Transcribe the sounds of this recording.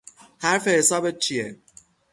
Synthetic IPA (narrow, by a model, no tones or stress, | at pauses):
haɾfe̞hesɒːbet̪̚t͡ʃʰije